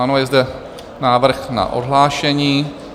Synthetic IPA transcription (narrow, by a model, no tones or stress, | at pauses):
anojɛzdɛ | naːvr̩xna̰ʔodɦlaːʃɛɲiː